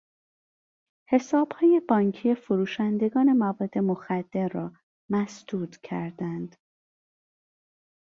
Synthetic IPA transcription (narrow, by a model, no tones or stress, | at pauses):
he̞sɒːb̥hɒːje̞bɒːɲcʰije̞foɾuːʃænd̪e̞ɡɒːne̞mævɒːd̪ːe̞mo̞xæd̪̥ːe̞ɾːɒː | mæsd̪̥uːd̪cʰæɾd̪ænd̪̥